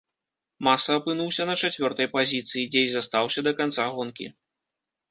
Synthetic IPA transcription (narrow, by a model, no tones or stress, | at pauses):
masɐɐpɨnuwsʲɐnɐt͡ʂat͡sʲvʲɔrt̪ɐjpazʲit̪sɨjid͡zʲejzɐst̪awsʲɐd̪ɐkant̪saɣɔnkʲḭ